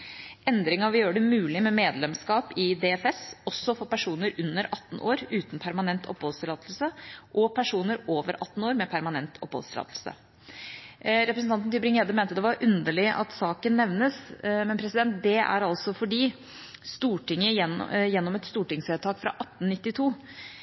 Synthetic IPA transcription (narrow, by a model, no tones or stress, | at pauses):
ɛnd̪ɾɪŋɑʋɪjøːəɖəmʉːlɪmɛmeːd̪lɛmskɑːpɪd̪ɛɛfɛsɔsːɔfɔpæʂuːnəɾʉnːəɾɑt̪ːn̩ʔoːɾʉːt̪n̩pʰæɾmɑnɛnt̪ʰɔ̰phɔlst̪ɪlɑːt̪l̩səʔɔpʰæʂuːnəɾoːʋəɾʔɑt̪ːn̩oːɾmɛpʰæɾmɑnɛnt̪ʰɔ̰phɔ̰d̪st̪ɪlɑ̰ːt̪l̩sə̰ | ɾɛpɾəsn̩t̪ɑnt̪n̩t̪ʰɪbɾɪŋeːd̪əmæːɪnt̪əd̪ɛʋɑɾʔʉnd̪əɭɪʔɑ̰t̪sɑːkənːɛʋnəsmɛnpʰɾɛsɪd̪ɛnt̪̚d̪ɛæ̰ɾɑlsɔfɔɖiː | st̪uːʈɪŋəjɛnːɔmɛt̪st̪uːʈɪŋseːt̪ʰɑːkfɾɑ̰ʔɑt̪ːn̩nɪt̪ːɪt̪ʰuː